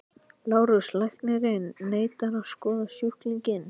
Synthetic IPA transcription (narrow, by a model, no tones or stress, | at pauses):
laːwɾʏɾslajht̪nɪɾɪnːeːjt̪aɾaðskɔːðasjuht̪liɲcɪn